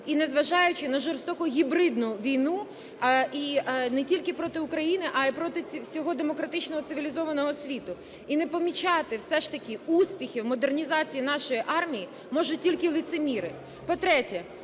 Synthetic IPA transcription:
inɛzʋɐʒɑjʊt͡ʃɪnɐʒɔrst̪ɔkʊɦʲibɾɪd̪nʊʋʲijnu | inɛtʲilʲkɪpɾɔt̪ɪʊkɾɐjinɪʔɐipɾɔt̪ɪsʲɔɦɔd̪emɔkɾɐt̪ɪt͡ʃnɔɦɔt̪sɪʋʲilʲizɔʋɐnɔɦɔsʲʋʲit̪ʊ | inɛpɔmʲit͡ʃɑt̪ɪwsɛʃt̪ɐkʲɪusʲpʲixʲɪwmɔd̪ernʲizɑt͡sʲijinɑʃɔjiʔɑrmʲiji | mɔʒʊt̚ʲtʲːilʲkɪlˠʲɪt̪semʲiɾɪ | pɔt̪ɾɛtʲɛ

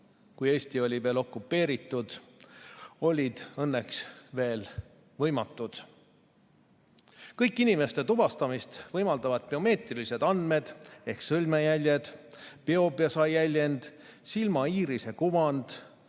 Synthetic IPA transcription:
kuje̞ːsʲt̪io̞lʲive̞ːlo̞kːˑupːe̞ːɾit̪ːˑud̪̥ | o̞lʲid̪̥ɤnːeksve̞ːl | vɤjmɑt̪ːˑud̪̥ | kɤjkːˑinime̞st̪e̞t̪ubɑst̪ɑmist̪vɤjmɑld̪̥ɑvɑd̪̥̚peo̞me̞ːt̪rilise̞d̪ɑnd̪me̞d̪̥e̞hksɤlʲmejælʲjed̪̥peo̞bjɑsɑjælʲje̞nd̪̥ | silmɑiːɾise̞kuvɑnd̪̥

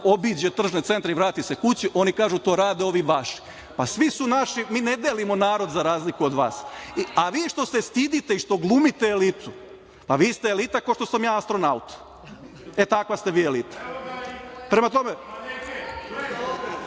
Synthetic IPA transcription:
o̞biːd͡ʑet̪r̩ʒnet̪se̞nt̪ɾeiʋɾaːt̪isekut͡ɕiʔo̞nikaːʒut̪o̞ːɾaːd̪eo̞ʋiʋaʃi̥ | pasʋisunaʃimiːned̪elimonaːɾo̞d̪zaɾaːzlikuod̪ʋa̰ːsiaʋiːʃt̪o̞se̞st̪id̪it̪e̞iʃt̪o̞ɡlˠumit̪eelit̪u | paʋiːst̪eːlit̪akoʃt̪o̞samjaːast̪ɾo̞naut̪ | e̞t̪akʋast̪eʋiːelit̪ḁ | pɾemat̪o̞me

